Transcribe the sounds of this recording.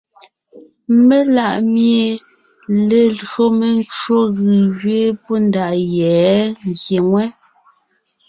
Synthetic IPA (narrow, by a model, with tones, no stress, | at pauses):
me˦la˦˨ʔmje˨ | le˨lɰo˦me˨n˦t͡ʃo˦ɣɯ˨ɣɥe˦po˦nda˨ʔjɛː˨˦ŋ˨ɡje˨ŋwɛ˦